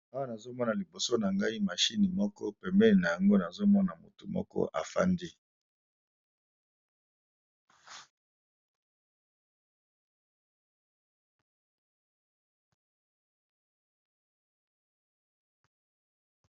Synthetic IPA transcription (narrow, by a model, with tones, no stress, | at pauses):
a˦wa˦na˨zo˦mɔ˦na˨li˨bo˨so˦na˨ŋɡa˦i˦ma˨ʃi˦ni˨mɔ˦kɔ̰˦pɛ˨mbɛ˦li˨na˨ja˨ŋɡo˦na˨zo˦mɔ˦na˨mṵ˨tu˨mɔ̰˦kɔ̰˦ʔa̰˨fa̰˦ndi˦